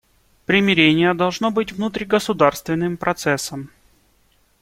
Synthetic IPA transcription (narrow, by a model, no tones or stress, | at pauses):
pɾʲɪmʲɪɾʲenʲɪjəd̪ɐlˠʐnobɨtʲvnut̪ɾʲiɡəsʊd̪arst̪vʲɪnːɨmpɾʔɐt̪sɛsəm